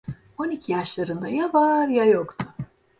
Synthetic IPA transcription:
onicʰijaʃlˠaɾɯnd̪ajavaɾjajokt̪ʰʊ

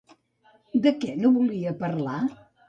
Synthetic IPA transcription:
d̪əkɛnoβuliəpəɾla

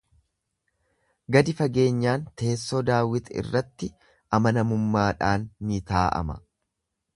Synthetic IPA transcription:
ɡɐd̪ɪfɐɡe̞ːɲːaːnt̪ʰe̞ːsːod̪aːwɪt̪ɐɪ̰rːɐt̪ːɪ | ʔɐmɐnɐmʊmːaːᶑaːnːit̪aːʔɐ̰mɐ̰

